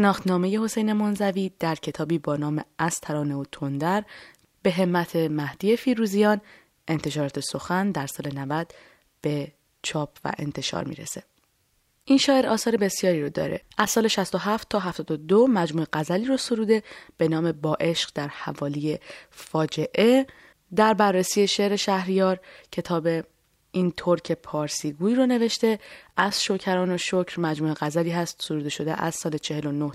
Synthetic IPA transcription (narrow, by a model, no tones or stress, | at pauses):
ʃenɒːxt̪nɒːme̞je̞ho̞se̞jne̞monzæviːd̪̥æɾcʰe̞t̪ʰɒːbiːbɒːnɒːme̞ʔæst̪ʰæɾɒːne̞ot̪ʰond̪æɾ | b̥e̞ɦe̞mːæt̪ʰe̞mæhd̪̥iːje̞fiːɾuːzijɒːn | ʔe̞nt̪ʰe̞ʃɒːɾɒːt̪ʰe̞so̞xænd̪æɾsɒːle̞nævæd̪̥ | b̥e | t͡ʃʰɒːpʰvæ̰ʔe̞̰nt̪ʰe̞ʃɒ̰ːɾmḭːɾḛse̞̥ | ʔinʃɒːʔe̞ɾɒːsɒːɾebe̞sjɒːɾiːɾod̪ɒ̰ːɾe̞̰ʔæz̥sɒːle̞ʃæst̪o̞ɦæft̪ʰːɒːɦæft̪ɒːd̪od̪omæd͡ʒmuːeɣæzæliːɾosoɾuːd̪eb̥e̞nɒːme̞bɒːʔe̞ʃɢd̪æɾhævɒːlije̞fɒːd͡ʒe̞ʔe | d̪æɾbærːesiːeʃe̞ʔɾe̞ʃæhɾijɒːɾcʰe̞t̪ʰɒːbe | int̪ʰoɾcʰe̞pʰɒːɾsiːɡuːiːɾone̞ve̞ʃt̪e̞ʔæz̥ʃocʰæɾɒːnoʃocɾmæd͡ʒmuːe̞ɣæzæliːɦæst̪soɾuːd̪eʃo̞d̪ḛʔæ̰z̥sɒːlet͡ʃʰe̞he̞lo̞noh